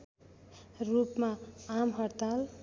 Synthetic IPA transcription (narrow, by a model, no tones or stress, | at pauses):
rupmaamɦʌrt̪al